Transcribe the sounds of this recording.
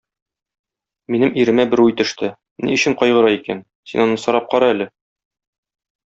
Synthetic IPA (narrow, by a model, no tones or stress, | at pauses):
minɘmiɾɘ̆mæbɘɾʉjt̪ɵ̆ʃt̪ɘ | nḭɵ̆ɕɘɴqɒjʁɤ̆ɾɑikæn | sinɒnɤsɒɾɑp̚qɒɾɑælɘ